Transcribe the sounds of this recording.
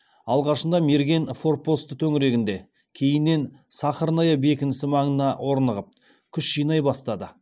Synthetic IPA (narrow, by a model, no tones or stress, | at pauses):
ɑlˠʁɑʃənd̪ɑme̞ɾɡʲe̞nfo̞r̚po̞st̪ət̪ʰɵŋɪɾe̞ɡʲɪnd̪e̞ | kʲʰe̞jɪnːe̞nsɑχəɾnɑjɑbe̞kʲɪnɪsɪmɑɴənɑwʔo̞ɾnəʁəp̚ | kʲʰʏʃʒ̥ijnɑjbɑst̪ɑd̪ə